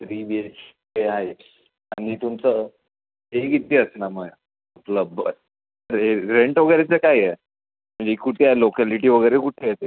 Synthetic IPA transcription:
t̪ɾiʋiet͡ɕ | eɦaj | anit̪umt͡sə | ɦeɡit̪eəsnaməɡ | əpləbə | təɾɦeɾeɳʈʋəɡəɾet͡səkaje | m̤əɳd͡zekuʈʰeajlokæliʈ̬iːʋəɡəɾekuʈʰejet̪e

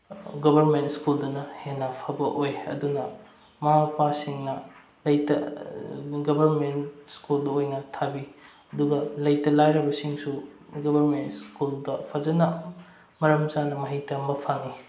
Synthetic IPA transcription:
ɡɐbɐɾmentskuldɐnɐhenːapʰabɐʔojɐ̰dunɐ | mɐɦapasiŋnɐ | lɐjtɐ̰ | ɡɐbɐɾmentskuldɐojnɐtʰabi | ɐduɡɐlɐjtɐlajɾɐbɐsiŋsuɡɐbɐɾmentskuldɐpʰazɐnɐ | mɐɾɐmzanɐmɐɦijtɐmbɐpʰaŋːi

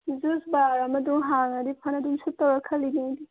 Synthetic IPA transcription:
zuzbaːɾɐmɐd̪ũɦaːŋɐd̪ipʰɐnɐd̪umsut̪ɐwɐkʰɐlined̪i

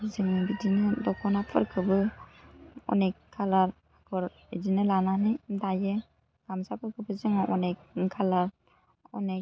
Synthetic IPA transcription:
zɯŋɯbidinɯdɔkʰɔnapʰɯ̰ɾkʰɯbɯ | ɔ̰nekkʰːalaɾ | akʰɯɾ | edinɯlananidajɯ | ɡ̥amsapʰɯɾkʰɯbɯzɯŋʔɔnekkʰalaɾ | ɔ̰ne

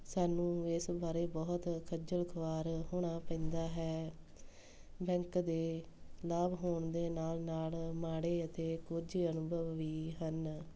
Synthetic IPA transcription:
saːnũːɪsbaːɾeːbɔːt̪kʰəd͡ʒəlkʰʋaːɾɦoːɽ̃aːpɛ̃nd̪aːɦɛː | bɛ̃ːŋkd̪eː | laːbɦoːɳd̪eːnaːlnaːlmaːɽeːət̪eːkʊd͡ʒiənʊbʱəʋːiːɦən

